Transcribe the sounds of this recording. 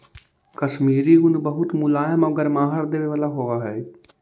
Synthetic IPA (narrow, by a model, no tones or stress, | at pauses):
kɐʃmiːɾiɡʊnbɐɦʊt̪mʊlaːjəmɔɡɐɾmãːɦəɾd̪eːʋeʋaːlaɦoʋaɦɛː